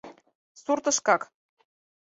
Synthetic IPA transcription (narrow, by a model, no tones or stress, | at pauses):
surt̪ɤ̆ʃkɑk